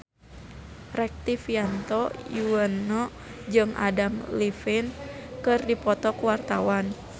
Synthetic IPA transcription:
rɛk̚t̪ifjant̪ɔjuwənːɔ | d͡ʒɨŋʔa̰damlifɪnkɨrdipɔt̪ɔkuwart̪awan

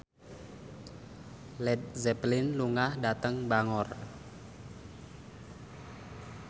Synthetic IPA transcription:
lɛt̪̚zɛplɪnluŋahdat̪əŋbaŋɔr

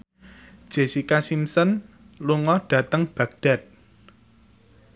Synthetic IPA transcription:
d̥ʒ̥e̤sikasimsɔn | luŋɔɖ̥ä̤t̪əŋb̥ä̤ɡ̚ɖ̥a̤t̪̚

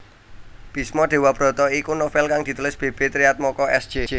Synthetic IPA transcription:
b̥i̤smɔɖ̪̥e̤wab̥ɾɔ̤t̪ɔikunɔfɛlkaŋd̪̥i̤t̪ulɪsb̥e̤b̥e̤t̪ɾiat̪̚mɔkɔɛsd̥ʒ̥ed͡ʒe

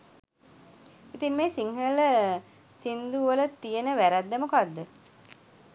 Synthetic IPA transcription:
it̪immeːsiŋɦələ | sind̪uʋələt̪ːijənəʋæɾæd̪ːəmukad̪ːə

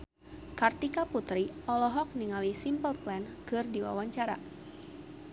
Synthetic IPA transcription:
kart̪ikaput̪ɾiʔɔlɔɦɔk̚niŋalisimpəlplɛnkɨrdiwa̰waɲt͡ʃaɾa̰

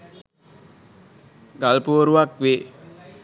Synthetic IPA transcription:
ɡalpuːɾuʋakʋe

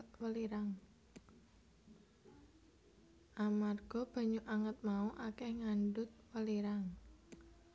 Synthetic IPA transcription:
wəliɾaŋ | ʔamarɡ̥ɔ̤b̥a̤ɲuʔaŋət̪̚mauʔakɛhŋaɳɖʊt̪̚wəliɾaŋ

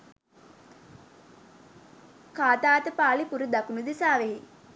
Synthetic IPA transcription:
kaːt̪aːt̪əpaːlipuɾəd̪akunud̪isaːʋeɦe

